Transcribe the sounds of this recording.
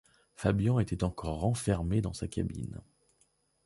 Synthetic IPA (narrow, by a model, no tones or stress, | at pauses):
fabjɔ̃et̪ɛt̪ɑ̃kʰɔʁːɑ̃fɛʁmed̪ɑ̃saka̰bḭn